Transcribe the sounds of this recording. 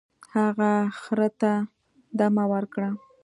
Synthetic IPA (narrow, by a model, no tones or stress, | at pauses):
haɣaxɾət̪a | d̪amawəɾkɽa